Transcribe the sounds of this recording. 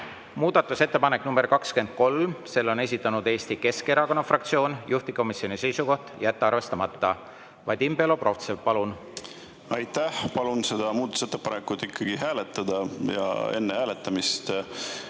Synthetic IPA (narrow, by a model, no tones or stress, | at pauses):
muːd̪̥ɑt̪ːˑuse̞t̪ːe̞pɑnekːnumberkɑkske̞nd̪̥̚ko̞lmse̞lːo̞ne̞s̬ʲit̪ːˑɑnud̪e̞ːst̪ike̞skeɾɑko̞nɑfrɑk̚t̪sio̞ːnjuht̪iko̞misio̞nise̞jsuko̞ht̪jæt̪ːeɑrve̞st̪ɑmɑt̪ːɑ | vɑjd̪̥imbelo̞pro̞ft̪sepɑlun | ɑjt̪æhpɑlunse̞d̪̥ɑmuːd̪ɑt̪u̥set̪ːepɑnekːˑut̪ːˑikːɑɡ̥ihæːlet̪ˑːɑd̪ɑjɑ̰e̞nːehæːlet̪ːˑɑmist̪